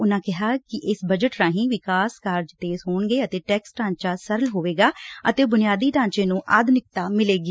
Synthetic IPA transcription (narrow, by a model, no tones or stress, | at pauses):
ʊnãːkɪɦaːkɪʔɪsbəd͡ʒəʈɾãːɦĩːʋɪkaːskaːɾd͡ʒt̪eːzɦoːɳɡeːət̪eːʈɛːksʈãːɲt͡ʃaːsəɾəlɦoːʋeːɡaːət̪eːbʊnɪjaːd̪iːʈãːɲt͡ʃẽːnũːʔad̪nɪk̚t̪aːmɪleːɡiː